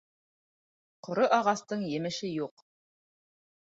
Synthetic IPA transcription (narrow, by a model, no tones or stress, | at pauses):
qŏɾoʔɑʁɑst̪ɤɴjɘ̆mɘ̆ʃɘjuq